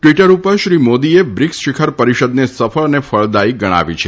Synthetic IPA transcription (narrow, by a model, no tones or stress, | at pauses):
ʈʋiʈəɾupəɾʃɾimod̪iebɾiksʃɪkʰəɾpəɾiʃəd̪nesəfəɭnefəɭd̪aiɡəɽ̃a̰ʋḭt͡ʃʰe